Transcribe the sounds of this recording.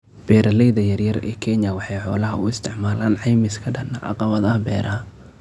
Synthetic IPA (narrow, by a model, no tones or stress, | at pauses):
b̥ɛːɾɐlɛjðɐjɐrjɐrɛ̰ːkʰɛɲjɐwɑħɑjħɔːlɐɦɐʊɪst̪ʰɪʕmaːlaːnʕɑjmɪskʰɐɖɐnɐʔɑ̰qɑβɐðɐɦɐbɛːɾʔɐɦɐ